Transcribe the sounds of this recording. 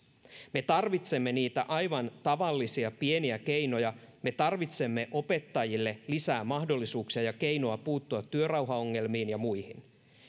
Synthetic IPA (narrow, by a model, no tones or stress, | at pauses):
me̞t̪ɑrʋit̪se̞mːe̞niːt̪æʔɑjʋɑnt̪ɑʋɑlːisiɑpie̞niæke̞jno̞jɑ | me̞t̪ɑrʋit̪se̞mːe̞ʔo̞pe̞t̪ːɑjilːe̞lisæːmːɑhdo̞lːisuːksiɑjɑke̞jnoɑpuːt̪ːuɑt̪ːyørɑwɦɑoŋːe̞lmiːnjɑmujhin